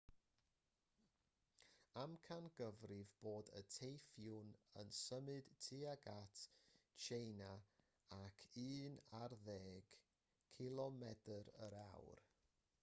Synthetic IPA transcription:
amkʰanɡəvrɪvb̥oːdə̰tʰejfjʊnənsəmɨd̥tʰɨaɡatʰt͡ʃʰejna | akʰɨːnarðeːɡ̥ | kʰɪlˠɔmɛdəɾə̰ɾawr

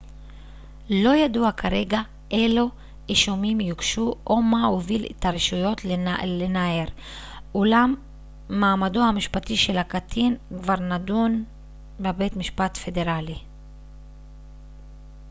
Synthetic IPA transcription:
lo̞jaduakʰaʁe̞ɡa | ʔelo | iʃumimjukʃuʔomaovilḛt̪ʰaʁeʃujo̞t̪llenaeʁ | ulamː | aːmadohamiʃpat̪iʃe̞lhakat̪ʰinkvaʁnadun | bebet̪miʃpat̪fe̞de̞ʁali

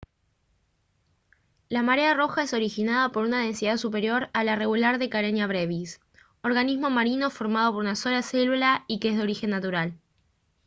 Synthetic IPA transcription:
lamaɾearo̞xaeso̞ɾixinað̞apo̞ɾunað̞e̞nsiðaðsupe̞ɾjo̞ɾalare̞ɣulaɾðekaɾenjaβɾeβis | o̞ɾɣanizmo̞maɾino̞fo̞ɾmað̞o̞po̞ɾunaso̞lase̞lulaikeezðeo̞ɾixe̞nːat̪uɾal

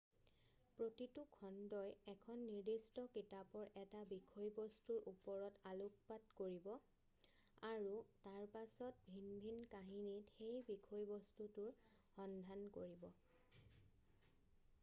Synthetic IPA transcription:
pɹotitukʰɔndɔjɛkʰɔnːiɹdistɔkitapɔɹʔɛtabikʰɔjbɔstuɹʔupɔɹɔtaluk̚patkoɹibɔ | aɹutaɹpasɔt̚bʱinbʱinkaɦinitxejbikʰɔjbɔstutʊɹ | xɔndʱankoɹibɔ

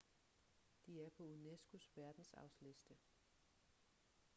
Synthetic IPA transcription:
d̥iæɐpʰɒ̽unesɡ̥usʋæɐd̥n̩sɑ̰̈ʊsle̝sd̥ə

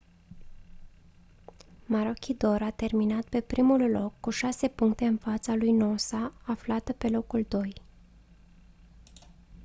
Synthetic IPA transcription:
maɾo̞kʲid̪o̞ɾat̪e̞rminat̪pe̞pɾimullo̞kːuʃase̞puŋkt̪e̞ɨnfat̪salujno̞saːflat̪əpe̞lo̞kuld̪o̞j

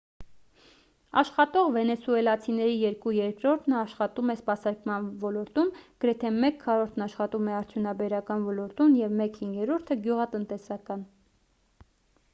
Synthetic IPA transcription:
ɑʃχɑt̪ɔʁvɛnɛsuɛlɑt͡sʰinɛɾijɛɾkujɛɾkɾɔɾt̪ʰnəɑʃχɑt̪umɛspɑsɑɾkmɑnvɔlɔɾt̪umɡ̥əɾɛt̪ʰɛmɛkʰːɑɾɔɾt̪ʰnɑʃχɑt̪umɛɑɾt͡s̪ʰjunɑbɛɾɑkɑnvɔlɔɾt̪unjɛvmɛkhiŋɡɛɾɔɾt̪ʰəɡjuʁɑt̪ənt̪ɛsɑkɑn

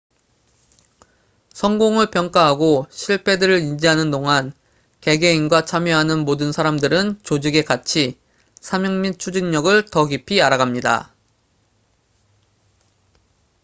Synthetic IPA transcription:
sʰʌŋɡoŋɯɭpjʌŋk͈aɦaɡoɕʰiɭpʰe̞dɯɾɯɾind͡ʑiɦanɯndoŋan | ke̞ɡe̞inɡwat͡ɕʰamjʌɦanɯnmodɯnsʰaɾamdɯɾɯnt͡ɕod͡ʑiɡe̞kat͡ɕʰi | sʰamjʌŋmit͡ɕʰud͡ʑinɲʌɡɯɭtʌɡipʰiaɾaɣamɲida̰

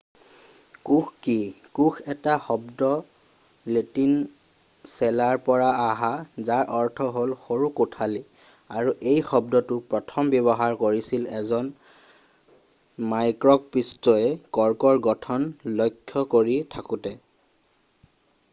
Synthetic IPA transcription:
kuxki | kuxɛtaxɔbdɔ | letin | sɛlaɹpɔɹaːɦazaɹʔɔɹtʰɔɦolxoɹukutʰali | aɹuʔejxɔb̚dɔtʊpɹɔtʰɔmbjɔbɔɦaɹkoɹisilɛzɔn | majkɹɔk̚pɹistɔɛkɔɹkɔɹɡɔtʰɔnlɔjkʰːɔkoɹitʰakutɛ

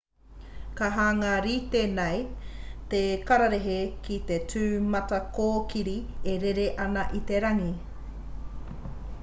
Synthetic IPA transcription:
kaɦaːŋɐɾit̪enejt̪ekaɾaɾeɦekit̪et͡sʰʉːmɐtɐkoːkiɾieɾeɾeʔɐnɐʔit̪e̞ɾɐŋi

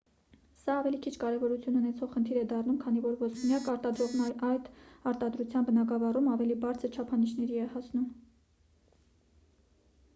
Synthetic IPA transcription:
sɑːvɛlikʰit͡ʃʰkɑɾɛvɔɾut͡sʰjununɛt͡sʰɔʁχənt̪ʰiɾɛd̪ɑrnumkʰɑnivɔɾvɔsunjɑkɑɾt̪ɑd̪ɾɔʁnɑɑjt̪ɑɾt̪ɑd̪ɾut͡sʰjɑnbənɑɡɑvɑrumɑvɛlibɑɾt͡sʰəɾt͡ʃʰɑpʰɑnit͡ʃʰnɛɾiɛhɑsʰnum

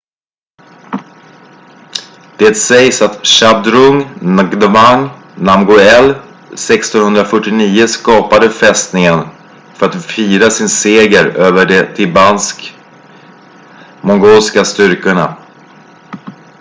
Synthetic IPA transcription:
d̪̥ɛt̪sɛjsat̪ɕab̚d̪ɾɵŋɡd̪əmaŋ | namɡʊɛlː | sɛkst̪ɔnhɵnd̪ɾafœʈːɪniːəskɑːpad̪əfɛst̪nɪŋən | fœɾat̪fiːɾasɪnseːɡəɾøːvəɖɛt̪ʰɪbansk | mɔŋɡoːlskast̪ʏɾkəɳa̰

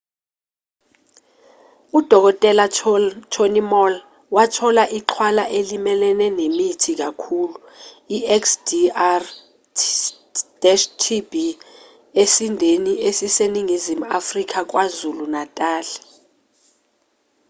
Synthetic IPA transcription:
ud̥ʱɔk̬ɔtʼɛlat͡ʃʰonimɔl | watʰɔlaʔiǃʰwalaʔelimɛlɛnɛnemitʰik̬akʰuːlu | iɛksdiar | d̥ɛʃtʰibi | esindʱeniʔesiseniŋizimuafrik̬ak̬wazulunatʼaːlɛ̥

